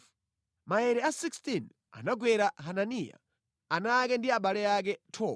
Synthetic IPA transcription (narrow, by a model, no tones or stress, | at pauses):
maɛɾɛasikstin | a̰naɡwɛɾaɦananija̰ | anakɛndiaɓalɛak̬ɛtʰɔː